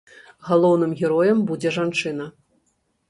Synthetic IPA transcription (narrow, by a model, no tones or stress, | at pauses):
ɣalˠɔwnɨmɣʲɛɾɔjɛmbud͡zʲɛʐant͡ʂɨnɐ